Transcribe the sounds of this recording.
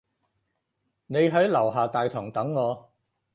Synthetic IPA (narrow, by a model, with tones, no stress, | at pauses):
ne˨˧jɦɐ˨˥jlɐ˨˩wɦaː˨t̪aː˨jt̪ʰɔː˨˩ŋt̪ɐ˨˥ŋːɔː˨˧